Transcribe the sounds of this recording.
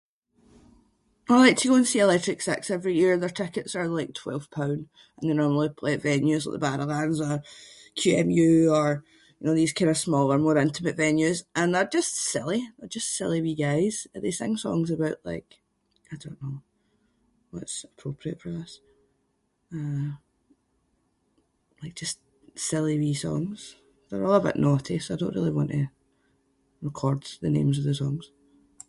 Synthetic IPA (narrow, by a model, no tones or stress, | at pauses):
aɪlˠaɪk̚tʰəɡoə̃nsiɪlˠɛtɹɪksɛ̰ksɛvɹijiɹðə˞tʰɪkɨtsə˞lˠaɪk̚tʰw̥ɛ̰lˠv̥pʰãʊ̃nd | ə̃n̩ðɪnɔɹml̩ˠipʰl̥ˠeɪʔvɛ̃njʉza̰ʔðəbadə˞lãndzə˞kʰj̥ʉɛ̃mjʉə˞ | jɨnoːðiz̥kʰãɪ̃ndəsmɔlˠə˞mɔɹɪ̃ntʰəməʔvɛ̃njʉzʔə̃nðə˞d͡ʒʌstsɪ̰lˠiðə˞d͡ʒʌstsɪlˠiwiɡaɪz̥ðesɪ̰̃ŋsɔ̰̃ŋzəbaʊʔlˠa̰ɪk | aɪdõnːo | wɔ̰tsəpʰɹ̥opʰɹiəʔfə˞ʌs | ʌ | lˠaɪk̚d̥ʒ̥ʌst | sɪlˠiwisɔ̰̃ŋz̥ | ðə˞ɔlˠəbaʊʔnʔɔtʰisaɪdõnʔɹḭlˠiwɔ̃nʔə | ɹɪkʰɔɹdz̥ðənḛ̃mzəvðəsɔ̃ŋz̥